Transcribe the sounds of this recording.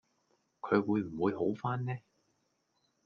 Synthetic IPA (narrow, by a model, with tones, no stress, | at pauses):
kʰɵ˨˧ɥwuː˨˧jm̩˨˩wuː˨˧jɦo˨˥wfaː˥nːɛː˥